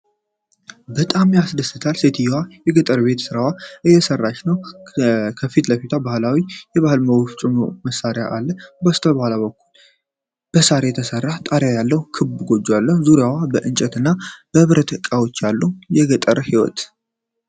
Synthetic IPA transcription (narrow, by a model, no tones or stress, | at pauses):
bət̪ʼamjasd̪əsɨt̪ʰalse̞t̪ʰijwajɛɡət̪ʼəɾbe̞t̪sɨɾawaʔɨjːɛsərːat͡ʃnəw | kʰəfit̪ləfit̪ʰabahɨlawijɛβahɨlməwoft͡ʃʼumo̰məsːaɾjaʔalːəhbəst̪ʰəbəhʷlaβəkːul | b̥əsaɾajɛt̪ʰəsərːat̪ʼaɾjajalːəhkʰɨbɡo̞d͡ʒːalːəhzuɾjawabəʔɨnt͡ʃʼɛt̪ɨnːab̥əɨβɾət̪ʰɨkʼawot͡ʃːjalːujɛɡət̪ʼəɾəhiwɔ̰t̪